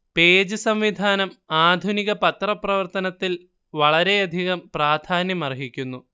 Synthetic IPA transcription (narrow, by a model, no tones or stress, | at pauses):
peːd͡ʑɨsɐmʋid̪ʱaːnɐmaːd̪ʱuniɣɐpɐt̪rɐprɐʋɐrt̪ɐnɐt̪ːil | ʋɐɭɐɾe̞ɐd̪ʱiɣɐmpraːd̪ʱʰaːnjɐmɐrɦikʲːunːu